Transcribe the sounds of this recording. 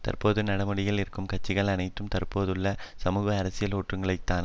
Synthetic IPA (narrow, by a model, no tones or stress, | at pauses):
t̪ɐ̰rpoːðɯnɐɽɐmɯɽɪjɐɭɪɾɯkːɯmkɐt͡ʃːɪɣɐɭɐnɐɪt̪ːɯmt̪ɐrpoːðɯɭːɐsɐmuːɣɐːɾɐsɪjɐloːʈrɯŋɡɐɭɐɪt̪ːaːn